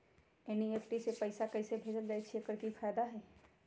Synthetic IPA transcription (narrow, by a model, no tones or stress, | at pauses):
ɛnieːfʈisepɐɪsakɐɪsebʱeːd͡ʒəld͡ʒaːet͡ʃʰekəɾkifaːjd̪aɦɛː